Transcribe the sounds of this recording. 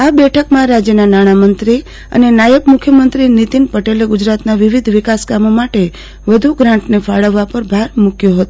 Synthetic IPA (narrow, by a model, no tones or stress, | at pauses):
abɛʈʰəkmãɾad͡ʒjənanaɽ̃amənt̪ɾi | ə̰nenajəbmukʰjəmənt̪ɾinit̪inpəʈeleɡʊd͡ʒɾat̪naʋiʋid̪ʱʋɪkaskamomaʈe | ʋəd̪ʱuɡɾãɳʈnefaɭəʋːapəɾbʱaɾmukjoɦət̪o